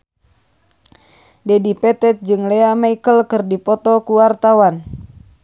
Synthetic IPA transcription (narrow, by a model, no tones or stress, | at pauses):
dɛdipɛt̪ɛt̪̚d͡ʒɨŋlɛamaikəlkɨrdipɔt̪ɔkuwart̪awan